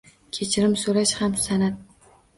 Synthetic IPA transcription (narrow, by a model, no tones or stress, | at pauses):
kʲʰet͡ʃʰɪɾɪmsolaʃhamsanat̪̚